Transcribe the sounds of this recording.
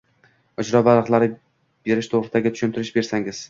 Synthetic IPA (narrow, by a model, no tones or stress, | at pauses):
ɒd͡ʒɾɒbalɨqlˠaɾɪ | b̥e̞ɾɪʃt̪ʰoʁɾɪsɪd̪aɡʲɪt̪ʰʊ̥ʃʊnt̪ʰɪɾɪʃbe̞ɾsaŋɪz̥